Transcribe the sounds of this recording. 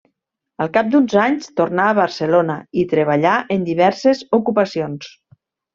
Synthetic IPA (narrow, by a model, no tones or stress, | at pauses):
əlˠkap̚d̪unzaɲst̪oɾnaəβəɾsəlonəit̪ɾəβ̞əʎaʔənd̪iβɛɾsezukupəsions